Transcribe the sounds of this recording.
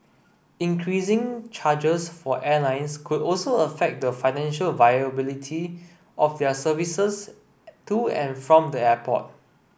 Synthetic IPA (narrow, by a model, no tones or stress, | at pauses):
ĩŋkʰɹisɪ̃ŋt͡ʃʰad͡ʒəsfɔʔɛlãɪ̃nskʰudɔlsoəfɛk̚dəfãɪnɛ̃nʃəlvajəbilitʰi | ʔɔfdɛsəvisəs | tuɛ̰̃nfɹɔ̃mdəɛpʰɔ̰t̚